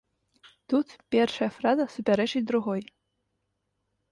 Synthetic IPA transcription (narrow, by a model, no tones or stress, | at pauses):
t̪ut̪pʲɛrʂɐjɐfɾazɐsupʲaɾɛt͡ʂɨt͡sʲd̪ɾuɣɔj